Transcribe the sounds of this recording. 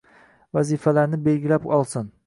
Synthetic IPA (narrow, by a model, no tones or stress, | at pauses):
vazifalaɾnɪbelɡʲilapɒlˠsɪn